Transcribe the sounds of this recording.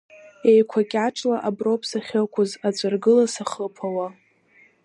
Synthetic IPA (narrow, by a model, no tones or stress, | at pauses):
ejkʷʰakʲʼaʈ͡ʂʼlaʔabropʰsaχʲɪkʷʰʊzad͡zʷʼarɡɨlasaχəpʰawa